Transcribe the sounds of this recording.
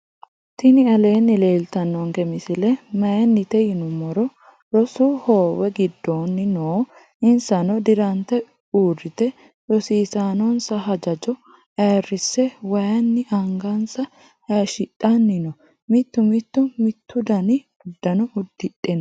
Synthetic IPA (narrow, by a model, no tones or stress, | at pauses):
t̪ɪnɪɐle̞ːnːɪle̞ːlt̪ɐnːɔŋkɛmɪsɪlɛmɐjɐnːɪt̪ɛjɪnʊmɔɾɔ | ɾɔsuho̞ːwɛɡɪd̪ːoːnːɪnoː | ɪnsɐnɔd̪ɪɾɐnt̪ɛ | uːrːɪt̪ɛ | jɔsiːsaːnɔnsɐɦɐd͡ʒɐd͡ʒɔ | ʔɐrːɪsːɛwɐjɐnːɪʔɐŋɡɐnsɐ | hɐʃɪᶑʼːɐnːɪnɔ | mɪt̪ːʊmɪt̪ːʊmɪt̪ːʊd̪ɐnɪ | ʊd̪ːɐnɔʊd̪ːɪᶑʼɛn